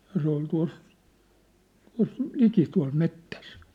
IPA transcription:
jɑ se ol tuɑ̝s tuɑ̝s liki tuɑ̝l metːæs

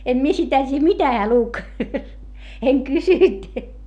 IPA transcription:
em mie sitæ tiːj̆æ̆ mitæ heæ luk eŋ kysynt

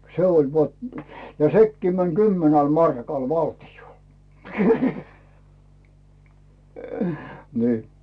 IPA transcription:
se ol ʋɑt jɑ sekːiː mæn kymːenæl mɑrkɑl ʋɑltiol ni̞ː

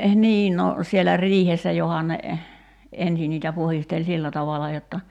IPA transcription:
niː no sielæ riːhesːæ johon ne ensi niːtæ puhistel silːæ tɑʋɑlɑ jotːɑ

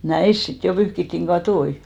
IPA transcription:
næis sit jo pyhkitːiŋ ɡ̊ɑtoi

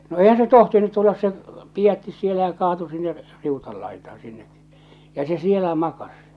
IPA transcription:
no eihæn se tohtinut tulːɑs se pijætːis sielæ jɑ kɑːtu sinːe r riutɑl lɑitɑːɑ̃ sinːe jɑ se sielæ mɑkɑs

